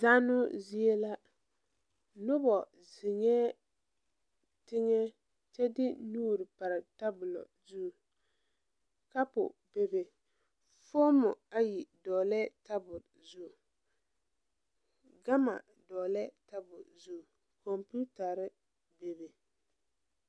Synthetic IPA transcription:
za˦nʊ˦zɪ˦e˦la˦ | nʊ˦bɔ˨ | zɪ˨ŋɛ˦ | tɪ˦ŋɛ˦ | t͡ʃɛ˦dɪ˦nuː˦˨ɾɪ˨pa˨ɾɪ˨ta˦bʊ˨lɔ̰˨ | zuː˦˨ | ka˦pʊ̰˨be˦be˨ | fo˦mʊ˨a˦ji˨dɔː˨lɛ˦ta˦bʊ˨l | zu˦˨ | ɡa˦ma̰˨ | dɔː˨lɛ˦ta˦bʊ̰˨zu˦˨ | kɔ˨mpu˦ta˨ɾɪ˦ | be˨be˨

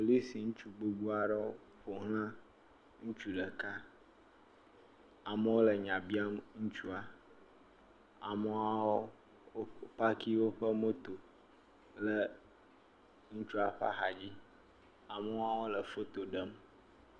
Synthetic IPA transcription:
o˨li˦si˨ŋũ˦t͡ʃu˦ɡ͡bo˨ɡ͡bu˦a˨ɖə˦wo˦ | ɸo˨ɦl̃ã˦ | ŋũ˦t͡ʃu˦ɖə˨ka˦ | a˨mə˦wo˦lə˨ɲã˨bi˦a˦ŋu˦t͡ʃu˦a˨ | a˨mə˦a˦wo˦ | o˦pa˦ki˦wo˦ɸə˦mo˦t̪o˨ | lə˨ | ŋu˦t͡ʃu˦a˨ɸa̰˦xa̰˨d͡ʑi˦ | a˨mə˦a˦wo˦lə˨fo˦t̪o˨ɖə˦m

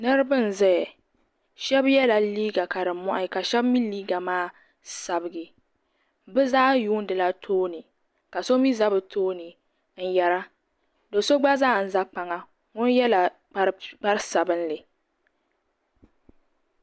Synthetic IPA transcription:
nɨ˦ɾɨ˦bɨ˦n̩˨zɛ˦˨ | ʃɛ˦bjɛ˦la˨liː˦ɡa˨ka˨dɨ˨mɔ˦ʔa˦˨ka˨ʃɛ˦bmi˦liː˦ɡa˨maː˦ | sa˨bɨ˨ɡɨ˨ | bɨ˦zaː˦juː˦n˦dɨ˨la˦tʰoː˦nɨ˨ | ka˨so˦mi˦za˦bɨ˨tʰoː˦nɨ˨ | n̩˨jɛ˦ɾa˦ | do˨so˦ɡ͡ba˦zaː˦˨n̩˨za˦k͡pa˨ŋa˨ | ŋʊ˦njɛ˦la˨k͡pa˦ɾk͡pa˦ɾsa˨bɨ˦n˦lɨ˨

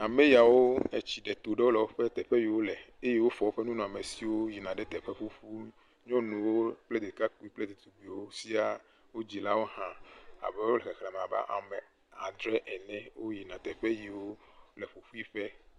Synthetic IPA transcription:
a˨mẽ˦ja˨wo˦ɛ˨t͡ɕi˨ɖɛ˨t̪o˨ɖe˦wo˦lɛ˨wo˦ɸɛ˦t̪ɛ˨ɸɛ˦ji˨wo˦lɛ˨ | e˦je˦wo˦fɔ˨wo˦ɸɛ˦nũ˦nũ˨a˨me˨si˨wo˦ji˨nã˨ɖɛ˦t̪ɛ˨ɸɛ˦ɸu˦ɸu˦ | ɲɔ̃˦nũ˨woo˦k͡plɛ˦d̪e˨ka˦k͡pu˦i˦k͡plɛ˦d̪e˨t̪u˨ɡ͡bi˨wo˦si˦a˦ | wo˦d͡ʑi˨la˦wo˦ɦã˦a̰˨bɛ˦wo˦lɛ˨kɛ˨xla˨m˨a˨ba̰˦ʔa̰˨mɛ˨ | a˨d̪ɾɛ˦ʔɛ˨nɛ̃˦wo˦ji˨nã˨t̪ɛ˨ɸɛ˦ji˨wo˦lɛ˨ɸo˨ɸu˦i˦ɸɛ˦

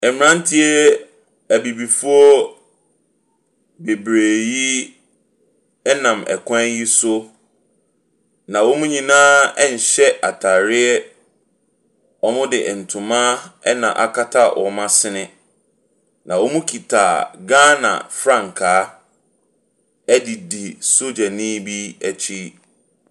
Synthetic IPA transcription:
ɛ˨m˨nã˦n˦tʰɪ˦ɛ˦ | æ˨bi˨bi˨fu˦ɔ˦ | be˨bɾeː˨ji˦ | ɛ˦nã˨mɛ̰˨kʰã˦ji˦sʊ˦ | nã˨wo˦mũ˦ɲĩ˨nãː˦ɛ˦ɲ̩˨ɕɛ˦ʔa˨tʰa˨ɾɪ˦ɛ˦ | ɔ˦mʊ̃˦dɪ˨n̩˨tʰũ˨mã˦ɛ˦nã̰˨ʔa̰˨kʰa˦tʰa˦wʔɔ̰˨mã˦sɪ˦nɪ̃˦ | nã˨wo˦mũ˦kʰi˨tʰa˨ɡãː˦nã̰˨fɾã˦˨ŋ̩˨kʰaː˨˦ | ɛ˦di˨di˨so˦d͡ʑa˨nĩː˦bi˦æ˨t͡ɕʰi˦

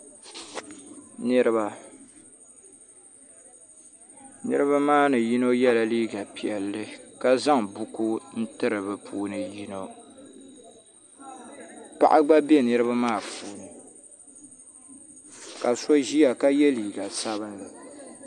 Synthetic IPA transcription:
nɨ˦ɾɨ˦ba˨ | nɨ̰˦ɾɨ˦βa˦maː˦nɨ˨ji˦no˦jɛ˦la˦liː˦ɡa˨pi˨ɛ˨lːɨ˦ka˦za˦ŋbu˦ku˦n̩˦tɨ˦ɾɨ˨bɨ˨pʰuː˦nɨ˨ji˦no˦ | pa̰˨ʔa˦ɡ͡ba˦bɛ˦nɨ˦ɾɨ˦ba˦maː˦˨pʰuː˨˦nɨ˨ | ka˨so˦ʒi˦a˨ka˦jɛ˦liː˨ɡa˨sa˦βɨ˦nlɨ˨

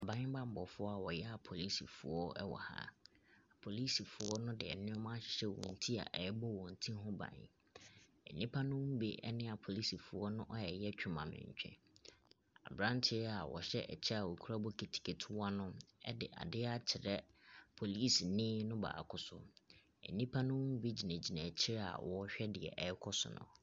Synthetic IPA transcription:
a˨bã˨˦ɲɪ̃˦bã˦m̩˨bɔ˨fʊ˦ɔ˦a˨wɔ˨jɛ˦a˨pʰo˨li˦sḭ˨fʊ˨ɔ˦ɛ̰˦wɔ̰˨ha̰˦˨ | pʰo˨li˦si˨fʊ˨ɔ˦nʊ̃˦dɪ˨ɛ̰˨nɪ̃˦ɔ˦mã˦ɕɪ̥˨ɕɛ˦wɔ̰̃˨n̩˨tʰi˦a̰˨ʔɛ˨˦bɔ˦wɔ̃˨n̩˨tʰĩ˦ɦʊ̃˦bã̰˨ɲ˨ | ɛ˨nĩ˦pʰa˦nʊ̃˦m̩˦be˦ʔɛ˦nɪ̃˦a˨pʰo˨li˦si˨fʊ˨ɔ˦nʊ̃˦ʔɔ˦ɛ˨jɛ˦t͡ɕᶣʊ˨mã̰˨mɪ̰̃˨ɲ˨t͡ɕᶣɛ̰̃˨ | a̰˨bɾã˦ntʰɪ˦ɛ˦a˨wɔ̰˨ɕɛ˦ʔɛ̰˨t͡ɕʰɪ˦a˨wɔ˨kʰu˦a˦bɔ˦kʰe˨tʰi̥˨kʰe˨tʰʊ˦wa˦nʊ̃˦ɛ̰˦dɪ˨ʔa̰˨dɪ˦a˦t͡ɕʰɪ˨ɾɛ˦pʰo˨liː˦snɪ̃˦nʊ̃˦ba̰˨a̰˨kʰʊ˨sʊ˦ | ɛ̰˨nĩ˦pʰa˦nʊ̃˦wʊ̃˦m̩˦bi˦d͡ʑi˨næ̃˨d͡ʑi˨næ̃˨t͡ɕʰɪ˦ɾɛ˦a̰˨wɔ˨˦ɕᶣɛ˦dɪ˨ɛ̰˨ʔɛ˨˦kʰɔ˦sʊ̰˨nʊ̰̃˨

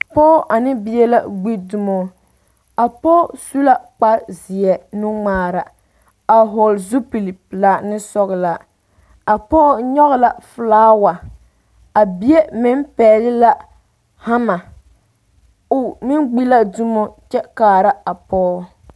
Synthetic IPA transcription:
pɔː˦ʔa˨nɪ˦bi˦jɛ˦la˦ɡ͡bi˦du˦mo˦ | a˨pɔː˦su˦la˦k͡pa˦zi˨ɛ˨nʊ˦ŋ͡maː˦˨ɾa˨ | a˨ɦɔ˨lzu˦pi˨li˨pla˨nɪ˦sɔ˦ɣɪ˨la˨ | a˨pɔː˦ɲɔ˦ɣla˨fɨ˨laː˦wa˨ | a˨bi˦e˦mɪ˦mpɛː˨lɪ˦la˦ | ha˦ma˨ | ʊ˨mɪ˦nɡ͡bi˦la˦du˦mo˦t͡ʃɛ˦kaː˨ɾa˦a˨pɔː˦

